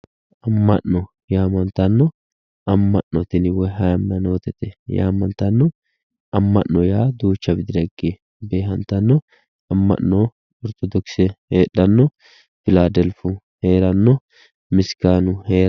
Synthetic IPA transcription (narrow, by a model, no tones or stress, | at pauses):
ʔɐmːɐ̰ʔːɔ | jaːmɐnt̪ɐnːɔ | ɐmːɐʔːɔt̪ɪnɪwɔjɦɐjɐmːɐnoːt̪ɛt̪ɛja̰ːmːɐnt̪ɐnːɔ | ɐmːɐʔːɔjaːd̪uːt͡ʃːɐbɪd̪ɪdɐɡe | be̞ːɦɐnt̪ɐnːɔ | ɐmːɐ̰nːɔ | ɔɾt̪ɔd̪ɔksɛheːɗːɐnːɔ | fɪlaːd̪ɛlfʊ | he̞ːɾɐnːɔ | mɪskaːnʊheːɾ